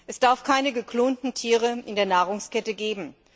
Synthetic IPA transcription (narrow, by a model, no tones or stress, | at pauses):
ʔɛsd̥aɐfkʰaɪnəɡəkl̥oːntn̩tʰiːʁ̞əʔɪndeːɐnaːʁʊŋskɛtəɡeːbm̩